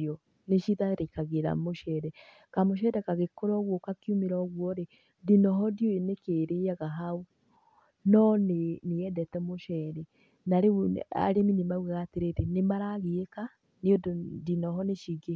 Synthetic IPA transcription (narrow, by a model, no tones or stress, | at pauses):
ɔ | neʃiðaɾekaɣeɾa̰moʃɛdɛ | kamoʃ̬ɛdɛkaɣekoɾɔɣwɔkakiumeɾɔɣwɔɾe | dinɔɦɔdjoenekeɾeaɣaɦau | nɔneneɛdɛtɛmoʃɛɾe | naɾea̰ɾeminemauwɛɣateɾetenemaɾaɣeeka | neododinɔɦɔneʃiɡe